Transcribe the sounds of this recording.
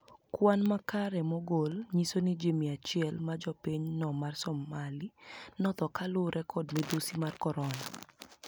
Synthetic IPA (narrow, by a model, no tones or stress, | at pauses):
kwanmakaɾɛmɔɡolɲisonid͡ʒemiat͡ʃɪɛlmad͡ʒɔpiɲnɔmarsɔmalinɔt̪ɔkalʊɾʔɛkʰɔdmɛd̪usimarkɔɾɔna